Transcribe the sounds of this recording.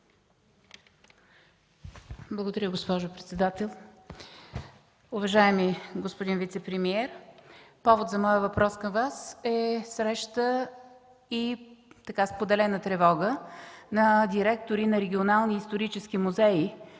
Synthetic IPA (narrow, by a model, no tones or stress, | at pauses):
blˠəɡod̪ɐɾʲəɡospɔʒopɾɛt̪sɛd̪at̪ɛlˠ | ʊvɐʒaɛmiɡospod̪invit̪sɛpɾɛmiɛɾpɔvot̪zɐmɔjəvɐpɾɔskəmvasɛsɾɛʃt̪ə | it̪ɐkaspod̪ɛlɛnət̪ɾɛvɔɡənɐd̪ʲiɾɛk̚t̪oɾinɐɾɛɡʲionalˠniːst̪oɾit͡ʃɛsk̟imʊzɛi